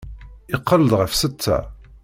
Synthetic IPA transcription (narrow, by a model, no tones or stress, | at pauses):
ɪqːəld̪ʁəfsət͡st͡sːæ̰